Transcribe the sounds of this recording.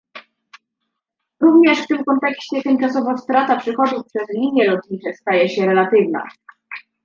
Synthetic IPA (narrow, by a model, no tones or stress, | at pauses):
ɾuvɲɛʂft̪ɘmkɔnt̪ɛkɕt͡ɕɛt̪ɛnt͡ʂasɔvafst̪ɾat̪apʂɘxɔd̪ufpʂɛzlʲiɲjɛlɔt̪ɲit͡ʂɛst̪ajɛɕɛɾɛlat̪ɘvna̰